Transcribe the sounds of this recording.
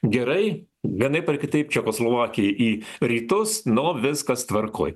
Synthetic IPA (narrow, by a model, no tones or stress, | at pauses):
ɡʲɛɾɐɪ | ʋʲiɛnɐɪpɐrkʲɪt̪ɐɪpt͡ʃʲɛkoːslˠoːʋɑːkʲɪjɛʔiːɾʲiːt̪ʊsnoʋʲɪskɐst̪ʋɐrko̰ːj